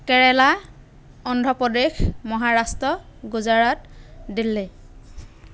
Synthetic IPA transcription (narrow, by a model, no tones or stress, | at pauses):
kɛɹɛla | ɔndʱɔpɔdexmɔɦaɹastɹɔɡuzaɹatdilːɛ